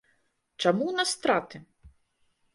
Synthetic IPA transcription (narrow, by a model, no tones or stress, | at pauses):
t͡ʂamunɐst̪ɾat̪ɨ